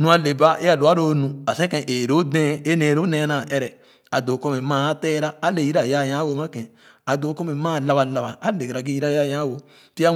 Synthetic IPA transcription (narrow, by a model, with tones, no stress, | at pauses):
nũ˧a˨le˨ba˦ʔe˦a˨lo˨a˦ɾo˦nũ˨a˨sẽ˦kẽ˧˨ʔe˨ɾo˦dɛ̃˦e˦nẽ˨ɾo˦nɛ̃˧˦na˨ʔɛ˦ɾɛ˨ | a˨do˨kɔ˦me˨mã˦tɛ˦ɾaː˦le˨ji˦ɾa˨ja˦˨jã˦wo˦ma˦kɛ̃˨ | a˨do˨˦kɔ˦me˨˦mã˦˨la˨βa˨la˨ba˨a˦le˨ɡɾa˨ɡi˦i˦ɾa˦˨ja˦˨jã˦wo˨ | ti˦a˦